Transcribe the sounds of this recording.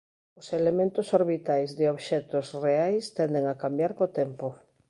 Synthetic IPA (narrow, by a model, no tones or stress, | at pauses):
ʊselemẽnt̪ʊsoɾβit̪ajzðɪoβʃɛt̪ʊsreajst̪ɛnd̪eŋakambjaɾkot̪ɛmpo